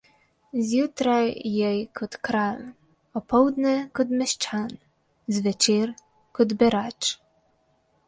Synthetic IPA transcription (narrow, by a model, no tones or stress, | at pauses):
zjut̪ɾajɛjkʰɔt̪kɾal | ɔpɔwd̪nɛkɔd̪mɛʃt͡ʃan | zvʲɛt͡ʃiɾ | kɔd̪bɛɾat͡ʂ